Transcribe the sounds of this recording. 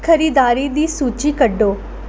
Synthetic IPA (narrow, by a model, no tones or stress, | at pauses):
kʰəɾiːd̪aːɾid̪iːsuːt͡ʃiːkəɖːoː